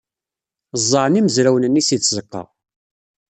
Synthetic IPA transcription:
zˤːəʕniməzɾæwnənːisit͡sːzəqːɑ̰

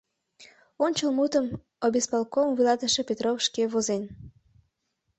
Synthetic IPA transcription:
onʲt͡ɕəlmut̪əm | obespɑlˠkomvilɑt̪əʃe̽pʲet̪rofʃkeβozen

